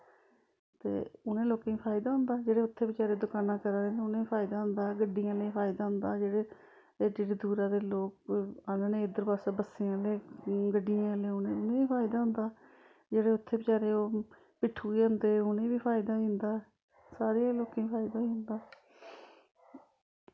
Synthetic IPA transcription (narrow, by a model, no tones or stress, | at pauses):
t̪ḛːʊnẽːloːkẽːiːpʰaːɪd̪aːɦʊ̃ːnd̪aːd͡ʒeːɽeːʊt̪ʰːeːbət͡ʃaːɾeːd̪ʊkaːnãːkəɾãːẽːeʊnẽːiːpʰaːɪd̪aːɦʊ̃nd̪aːɡəɖijãːleːpʰaːɪd̪aːɦʊ̃nd̪aːd͡ʒeːɽeː | ɖɪʈd̪uːɾãːd̪eːloːkanaːnẽːɪd̪əɾpaːsaːbəseːãːleːɡəɖijãːleːʊnẽːʊnẽːiːpʰaːɪd̪aːɦʊ̃nd̪aː | d͡ʒeːɽeːʊt̪ʰːeːbət͡ʃaːɾeːoː | pɪʈʰːuːiʊnd̪eːʊnẽːbiːpʰaːɪd̪aːɪ̃ːnd̪aː | saːɾeãːloːkẽːpʰaːɪd̪aːiʊ̃nd̪aː